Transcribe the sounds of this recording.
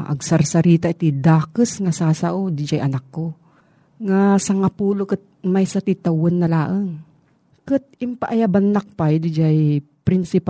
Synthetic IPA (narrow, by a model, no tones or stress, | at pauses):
ʔɐ̰ɡsɐɾsɐɾiːt̪aʔɪt̪id̪aːkɨsŋasaːsaʔod̪ɪd͡ʒajʔɐnakːo | ŋasɐŋapuːlokɨt̪̚majsat̪it̪awʊnːɐlaːʔəŋ | kɨt̪̚ɪmpaʔajabanːak̚pajd̪ɪd͡ʒajpɾɪnsɪp